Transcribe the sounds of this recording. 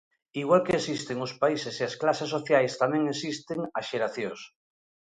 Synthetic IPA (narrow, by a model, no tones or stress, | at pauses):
iɣ̞walkeːsist̪eŋʊspaisesiasklasesːoθjajst̪amẽŋesist̪eŋasʃeɾaθjos